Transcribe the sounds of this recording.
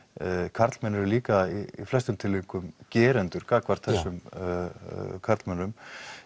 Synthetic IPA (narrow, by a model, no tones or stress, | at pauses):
kʰaɾt̪lmɛnːɛɾʏliːkaiḭflɛst̪ʏmt̪ʰɪlːiŋkʏmcɛːɾɛnt̪ʏɾ̥kaːkvaɾ̥t̪θɛsːʏm | kʰaɾt̪lmɛnːʏm